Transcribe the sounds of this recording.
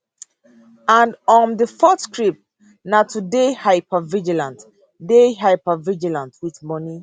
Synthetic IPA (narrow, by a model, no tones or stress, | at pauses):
ãndɔ̃ndəfɔtskɹip̚ | natudehaɪpʰəvid͡ʒilãnt | deɦaɪpavid͡ʒilãntʰwiθmɔni